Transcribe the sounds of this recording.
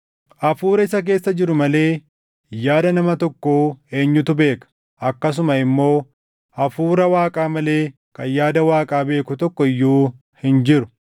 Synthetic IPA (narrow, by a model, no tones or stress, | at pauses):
ʔɐfuːɾɐɪsɐk̬e̞ːsːɐd͡ʒɪɾʊmɐle̞ː | jaːd̪ɐnɐmɐt̪ɔkːoːe̞ːɲːʊt̪ʊbe̞ːkɐ̥ | ʔɐkːɐs̬ʊmɐɪmːo̞ː | ʔɐfuːɾɐwaːkʼaːmɐle̞ː | kɐjaːd̪ɐwaːkʼaːbe̞ːkʊt̪ɔkːɔɪjːuː | hɪnd͡ʒɪɾʊ̥